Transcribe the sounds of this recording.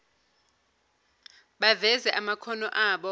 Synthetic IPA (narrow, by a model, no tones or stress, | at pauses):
ɓavɛzɛʔamakʰɔnɔʔaːɓɔ